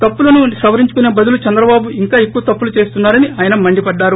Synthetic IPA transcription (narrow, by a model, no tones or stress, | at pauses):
t̪ɐpːulɐnusɐʋɐɾiɲt͡ʃukune̞ːbɐd̪ulut͡ʃɛnd̪ɾɐbaːbuiŋkaːekːuʋɐt̪ɐpːulut͡ʃe̞ːst̪unːaːɾɐniʔaːjɐnɐmɐɳɖipɐɖːaːɾu